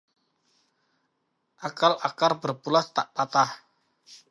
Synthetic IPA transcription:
ʔakalakarbərpulast̪a̰ʔpat̪ah

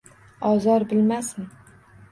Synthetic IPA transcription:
ɒzɒɾbɪlmasɪn

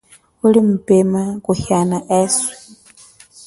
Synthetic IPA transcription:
ulim̩pɛmakuhanaʔɛːswi̥

